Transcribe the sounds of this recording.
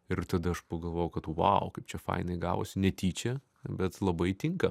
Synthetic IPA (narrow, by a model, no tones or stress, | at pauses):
ɪɾt̪ɐd̪ɐɐʃpɐɡɐlˠʋoːjɛʊkɐt̪uʋɐ̰ʊkɐɪpt͡ʃʲɛfɐ̰ɪnɐɪɡɑ̰ːʋo̰ːsʲɪnʲɛt̪ʲiːt͡ʃʲɛ | bʲɛt̪lˠɐbɐɪt̪ʲɪŋkɐ